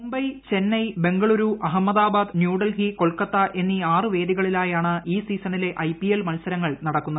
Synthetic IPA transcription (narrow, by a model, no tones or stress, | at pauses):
mumbɐjt͡ɕe̞nːɐjbe̞ŋɡɐɭuɾuʔɐɦɐmːɐd̪aːbaːd̪njuːɽɐlɦiko̞ɭkɐt̪ːɐʔe̞nːiaːrɨʋe̞ːd̪iɣɐɭilaːjaːɳɨiːsiːsɐnile̞ʔɐjpːielmɐnsɐɾɐŋːɐɭnɐɽɐkːunːɐðɨ